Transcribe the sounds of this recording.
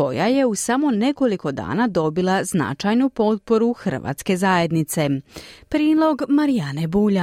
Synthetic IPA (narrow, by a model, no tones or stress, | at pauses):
ko̞̰jaje̞usamo̞ne̞ko̞liko̞d̪a̰ːnad̪o̞bilˠazna̰t͡ʃajnupo̞t̪̚po̞ɾuxr̩ʋa̰ːt̪ske̞zaje̞d̪nit̪se̞pɾiːlˠo̞ɡmaɾijanebuːʎa